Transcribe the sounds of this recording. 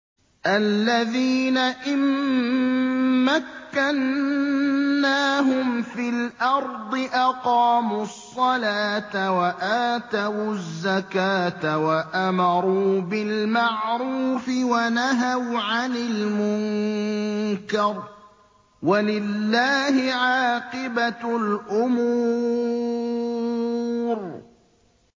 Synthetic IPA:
ʔalːaðiːnaʔɪm | akːan | aːɦʊmfilʔɑɾˤd̪ˤɨʔɑqɑːmuːɑsˤːɑlaːt̪awaʔaːt̪awzːakaːt̪awaʔamɑɾˤuːbɪlmaʕɾuːfɪwanaɦawʕanɪlmʊŋ | kɑɾˤ | walɪlːaːhɪʕaːqɨbalʔʊmuː | ɾ

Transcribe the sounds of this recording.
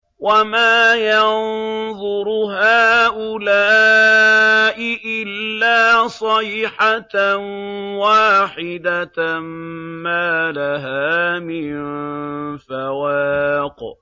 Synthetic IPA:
wamaːjɑnnðˤʊɾɦaːʔʊlaː | ʔɪʔɪlːaːsˤɑiħat̪nwaːħɪd̪ammaːlaɦaːmɪn | fawaːq

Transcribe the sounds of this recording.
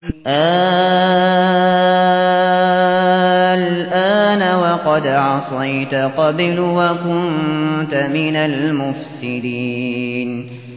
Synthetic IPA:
ʔaː | lʔaːnawɑqɑd̪ʕɑsˤɑjt̪aqɑblwakʊnt̪amɪnalmʊfsɪd̪iːn

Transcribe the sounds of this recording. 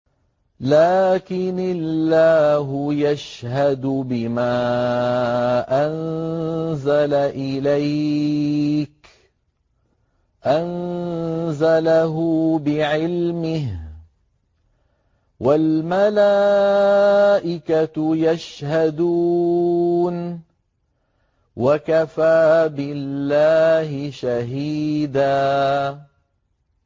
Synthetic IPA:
laːkɪnalːaːɦʊjaʃhad̪ʊbɪmaː | ʔan | zalaʔɪlaj | k | ʔan | zalaɦʊbɪʕɪlmɪh | walmalaː | ʔɪkajaʃhad̪uː | n | wakafaːbɪlːaːhɪʃaɦiːd̪aː

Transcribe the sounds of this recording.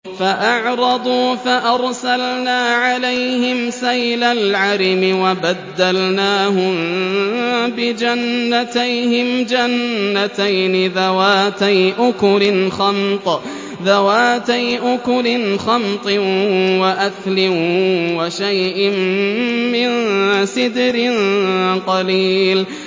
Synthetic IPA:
faʔɑʕɾˤɑd̪ˤuːfaʔɑɾˤsalnaːʕalajhɪmsajlalʕaɾɪmɪwabad̪ːalnaːhʊ | bɪd͡ʒanːat̪ajhɪmd͡ʒanːat̪ajnɪðawaːt̪ajʔʊkʊlɪnxɑmt̪ˤ | ðawaːt̪ajʔʊkʊlɪnxɑmt̪ˤɪwaʔaθlɪnwaʃajʔɪmː | ɪnsɪd̪ɾɪnqɑliːl

